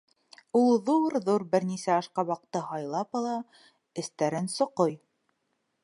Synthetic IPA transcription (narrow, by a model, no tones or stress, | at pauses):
ulˠðuɾðuɾbɘ̆ɾnisæɑʃqɑβɑq̚t̪ːɤhɑjlˠɑpɑlˠɑ | ɘ̆st̪æɾɘnsŏqoj